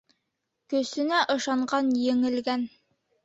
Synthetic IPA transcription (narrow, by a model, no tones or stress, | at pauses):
kɵ̆sɘ̆næʔɤ̆ʃɑɴɢɑnjɘ̆ŋɘ̆lɡæn